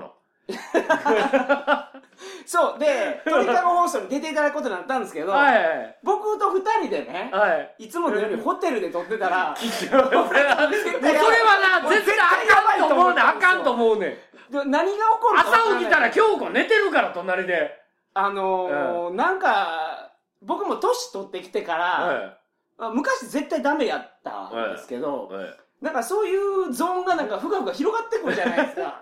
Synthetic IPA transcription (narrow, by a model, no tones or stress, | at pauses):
o̰ | so̞ːd̪et̪oit̪amohõst̪oɲ̟id̪e̞t̪e̞it̪ad̪akɯ̥ko̞t̪oɲĩnat̪ːãnd̪esɨ̥ke̞d̪o̞aiaibo̞kɯ̟t̪o̞ɸɯ̟t̪aɾʲid̪e̞ne̞haiit͡sɨmo̞d̪eõɲiho̞t̪e̞ɾɯ̟d̪e̞t̪o̞t̪ːe̞t̪aɾa | soɾeβanazeaaãaioomoneakãnt̪oːmoɯnḛ̃ | d̪enaɲ̟iɡaoko̞ɾɯasaoɡʲit̪aɾakʲo̞ːɡone̞t̪e̞ɾɯ̟kaɾat̪o̞naɾʲid̪e̞ | ano̞nãŋka | bo̞kɯ̟mo̞t̪o̞ɕi̥t̪o̞t̪ːe̞kʲi̥t̪e̞kaɾa | mamɯ̟kaɕize̞t̪ːaid̪ame̞jat̪ːa̰d̪esɨ̥ke̞d̪o̞̰ | nãŋkaso̞ːjɯːzõ̞ŋɡanãŋkaɸɯ̟kaɸɯ̟ɡaçiɾo̞ɡat̪ːe̞kɯ̟ɾɯ̟d͡ʑanaid̪eska̰